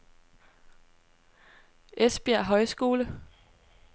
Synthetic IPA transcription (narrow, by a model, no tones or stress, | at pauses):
ʔesb̥iæɐ̰ɦɒ̽ɪsɡ̥o̝ːlə